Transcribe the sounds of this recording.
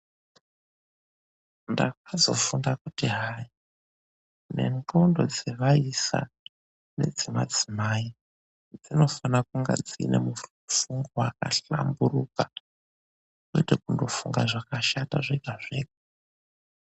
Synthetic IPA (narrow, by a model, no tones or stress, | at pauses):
ndak̚azo̞fundakutiɦai | ne̞̰ŋɡondo̞d͡zeʋaisa̰ | ne̞̰d͡zema̰d͡zimaːi | d͡zino̞fanakuŋɡa̰d͡zinemu | fuŋɡoakaɬa̰mburuka | kuitekundo̞fuŋɡaʐakaʃataʐeɡʱaʐeːɡa